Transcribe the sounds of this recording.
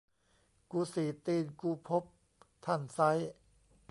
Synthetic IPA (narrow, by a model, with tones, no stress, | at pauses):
kuː˧siː˨˩˦t̪iː˧nkuː˧pʰo˦˥p̚ | t̪ʰa˥˩nsa˦˥j